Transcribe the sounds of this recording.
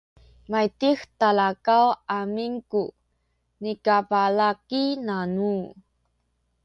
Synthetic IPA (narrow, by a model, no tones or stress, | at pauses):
majt̪ixt̪alakawamiŋku | nikapalakinanu